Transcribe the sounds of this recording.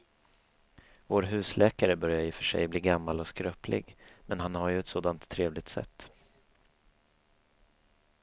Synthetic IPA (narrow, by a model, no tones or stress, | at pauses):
voːɾɦʉ̟ːslɛːkaɾəbœɾjaɪːfœʂɛ̰jbliːɡamːalɔskɾœːplɪ̰ɡmɛnɦanhaɾjɵɛt̪soːd̪ant̪ʰːɾeːvlɪɡ̚t̪sɛ̰t̪ː